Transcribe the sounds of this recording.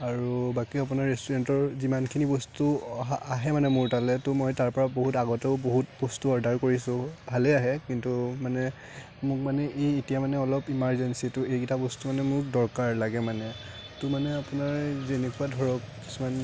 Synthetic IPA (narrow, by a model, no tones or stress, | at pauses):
aɹubakiap̬ʊnaɹːestuɹɛntɔɹzimankʰinibɔstuaɦɛmanɛmʊɹtalɛtʊmɔjtaɹpɔɹaboɦutaɡɔtɔʊboɦutbɔstuɔɹdʱaɹkoɹisʊ̃bʱalɛaɦɛkintumanɛ | mʊkmanɛʔejetijamanɛɔlɔpimaɹzɛnsitʊejkitʰabɔstumanɛmʊk̚dɔɹkaɹlaɡɛmanɛ | tʊmanɛapʊnaɹzenɛkuadʱɔɹɔkki̥suman